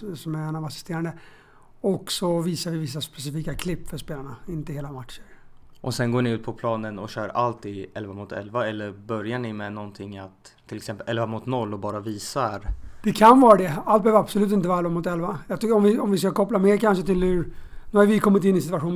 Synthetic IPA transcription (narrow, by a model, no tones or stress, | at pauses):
sɔmæɾɛnavasɪ̥st̪eːɾand̪ə | ɔksɔviːsaɾvɪvɪs̬ːaspɛsɪfiːkakʰlɪpːfœʂpeːlaɳaɪnt̪əheːlamat̪ʂəɾʔɔsɛnɡoːɳɪʉt̪̚pʰɔpʰlɑːnənɔɕœːɾalt̪ɪɛlvamʊt̪ʰɛ̰lvaɛlːəɾbœɾjaɳɪmɛnɔnt̪ʰɪŋːat̪ʰːɪlɛksɛmpːəlɛlvamʊt̪nɔlːɔbɑːɾaviːsaɾd̪̥ɛkʰanvɑːɾad̪ɛalt̪bœːvəɾab̥sɔlʉt̪ɪnt̪əɑːɾɛlvamʊt̪ɛlvajɑt̪ʏɔmvɪɔmvɪskakʰɔplameːɾkʰanʂ̬ət̪ɪlhɵɾnʉːhaɾvɪkʰɔmːɪt̪̬ɪnːɪs̬ɪt̪aɧuːn